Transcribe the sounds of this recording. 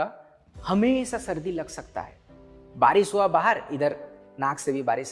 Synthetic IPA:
a | hɐmeːʃasɐɾd̪ilɐɡsɐkt̪a̰ɦɛ̰ːbaːɾɪʃuabaːɦəɾɪd̪əɾ | nãːkʰsebʱibaːɾɪʃ

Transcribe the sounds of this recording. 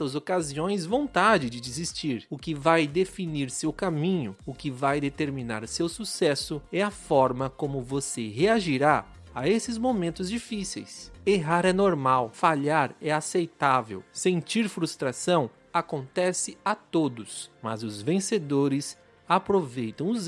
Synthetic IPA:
t̪ɐzokaziõj̃zvõnt̪ad͡ʒɪd͡ʒɪd͡ʒizist͡ʃiɾʊkɪvajd̪efiniɾsewkamĩɲʊʊkɪvajd̪et̪eɾmina̰ɾsewsusɛsʊɛɐfɔɾmɐkõmʊvoseɦeaʒiɾa | aesɪzmomẽnt̪ʊzd͡ʒifisḛjseɦaɾɛnoɾmawfaʎaɾɛasejt̪avḛwsẽnt͡ʃiɾfɾust̪ɾasɐ̃w̃ | akõnt̪ɛsɪat̪od̪ʊsmɐ̰zʊzvẽsed̪oɾɪs | apɾovejt̪ɐ̃w̃ʊz

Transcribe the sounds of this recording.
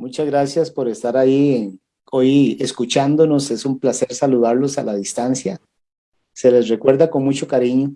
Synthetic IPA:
mut͡ʃazɣɾasjaspo̞ɾe̞st̪aɾai | ojeskut͡ʃand̪o̞no̞se̞sumplase̞ɾsaluðaɾlo̞salaðist̪ansja | se̞le̞zre̞kwe̞ɾd̪ako̞nmut͡ʃo̞kaɾiɲo

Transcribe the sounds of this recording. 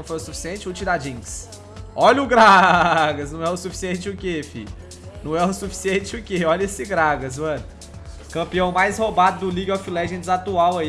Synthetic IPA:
w̃fojʊsufi̥siẽt͡ʃɪʊt͡ʃid̪ad͡ʒĩs | ɔʎʊɡɾaɡɐsnɐ̃w̃ɛʊsufi̥siẽnt͡ʃɪʊkefḭ | nɐ̃w̃ɛʊsufi̥siẽt͡ʃɪʊkeɔʎesɪɡɾaɡɐz̬mɐ̃nʊ | kɐ̃mpiɐ̃w̃majshobad̪ʊd̪ʊliɡofilɛʒẽd̪zat̪uawɐi

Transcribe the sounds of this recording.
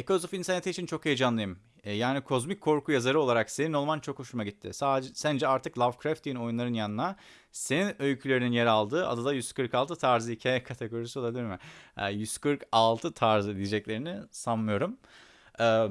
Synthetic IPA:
ekosofinsenet̪iːt͡ʃʰint͡ʃʰo̞kejd͡ʒanlˠajɯm | jaːnikʰo̞zmic̚ʰːo̞ɾkʰujazaɾɯo̞lˠaɾakse̞nino̞lˠmant͡ʃʰo̞kho̞ʃumaɟit̪ʰːɪ̰saːsænd͡ʒɛaɾt̪ɯklˠavkɾaft̪d̪ijino̞junlˠaɾɯnjanɯna | se̞ninø̞jcʰylʲe̞ɾininjeɾalˠd̪ɯʔa̰d̪ad̪ajyz̥kɯɾkalˠt̪ʰɯt̪ʰaɾzɯhicʰaːjakʰat̪ʰeɡo̞ɾisiolˠabilʲiɾmɪɛ̰jyz̥kɯɾkalˠt̪ʰɯt̪ʰaɾzɯd̪ijed͡ʒɛclʲe̞ɾinisanmɯjo̞ɾum | ɛː

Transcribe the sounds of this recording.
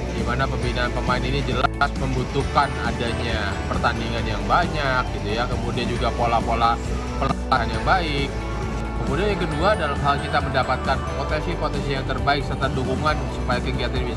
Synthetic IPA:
ɡimanapəmbinaːnpəmaɪninid͡ʒəlasməmbut̪ukana̰daɲa | pərt̪andiŋanjaŋbaɲak̚ɡit̪ujakəmudiand͡ʒuɡapolahpola | pəlaaanjaŋbaɪk̚ː | əmudianjaŋkəduadalamɦalkit̪aməndapat̪̚kanpɾot̪ɛnsipot̪ɛnsijaŋt̪ərbaɪk̚sərt̪adukuŋansupajakəkiat̪anbi

